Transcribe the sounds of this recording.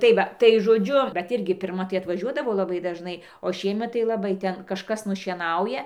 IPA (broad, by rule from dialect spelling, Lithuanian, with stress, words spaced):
tɐɪ ˈʋɐ tɐɪ ʒoːˈd͡ʒʲʊ bʲɛt ˈɪrʲɡʲɪ pʲɪrˈmɐ tɐɪ ɐtʋɐˈʒʲuɔdɐʋoː lˠɐˈbɐɪ dɐʒˈnɐɪ oː ˈʃʲiɛmʲɛt tɐɪ lˠɐˈbɐɪ ˈtʲɛn kɐʃˈkɐs nʊʃʲiɛˈnɐʊjɛ